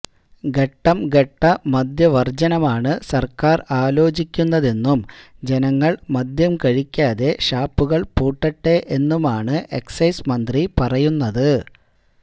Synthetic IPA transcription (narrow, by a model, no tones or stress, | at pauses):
ɡe̞ʈːɐmɡeʈːɐmɐd̪jɐʋɐrd͡ʑɐnɐmaːɳɨsɐrkaːraːlo̞ːt͡ɕikʲːunːɐðe̞nːumd͡ʑenɐŋːɐɭmɐd̪jɐmkɐɻikʲːaːðe̞ɕaːpːuɣɐɭpuːʈːɐʈːeʔenːumaːɳɨʔe̞ksɐjsmɐnd̪ripɐrɐjunːɐðɨ